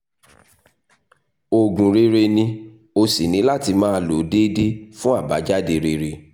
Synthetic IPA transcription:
o˨ɡũ˨ɾe˧ɾe˧nĩ˧ | o˧si˨nĩ˨˦la˦˨ti˧mãː˦lo˨˦de˦de˦fũ˦a˦˨ba˨˦d͡ʒa˦de˧ɾe˧ɾe˧

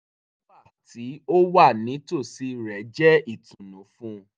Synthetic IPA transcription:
nõ˦ba˦˨ti˨˦o˦wa˦˨nĩ˨˦to˦˨si˨˧ɾɛ˨˦d͡ʒɛ˦i˦˨tũ˨nũ˨˦fũ˦˧

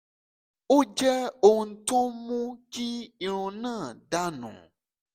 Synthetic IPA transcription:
wo˦d͡ʒɛ˦o˨ŋ̩˨t̪ɔ̃˦mũ˦d͡ʒi˦i˨ɾ̃ũ˨nã˦˨ɖa˦nɔ̰̃˨

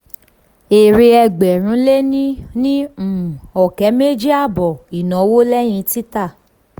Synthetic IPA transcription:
e˨ɾe˧ɛ˧ɡ͡bɛ˨ɾ̃ũ˨˦le˦nĩ˦nĩ˦m̩˨ɔ˨kɛ˨˦me˦d͡ʒi˦a˦˨bɔ˨i˨nɔ̃˨˦wo˦lɛ˦j̃ĩ˧˦ti˦ta˦˨

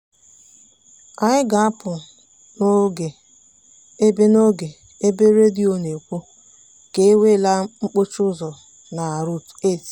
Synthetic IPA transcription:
a˨ɲɪ˦ɡa˨a˦pʊ˨ | no˦ɡe˨ | e˦be˦no˦ɡe˨ | e˦be˦ɾe˦di˦o˦ne˨kʷu˦ | ke˨˦e˦we˦˨la˦ŋ͡m̩˦k͡po˦t͡ʃʊ˦zɔ˨ | na˨ɾu˦te˦˨t

